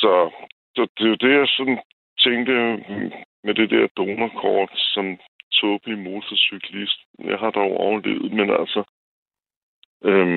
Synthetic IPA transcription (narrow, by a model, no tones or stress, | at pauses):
sɒ̽sɒd̥e̝jo̝d̥e̝jɑ̈ɪsɒ̽nn | t͡sʰeŋd̥ə | med̥e̝d̥ɛɐ̰d̥oːnɐkʰɒːd̥sɒ̽m | t͡sʰɔːb̥əlimo̝ːsɐsykʰlisd̥jɑ̈ɪɦɑ̈d̥ɑoɒʊle̝̰ːð̩ˠmenælsɒ | ʔøm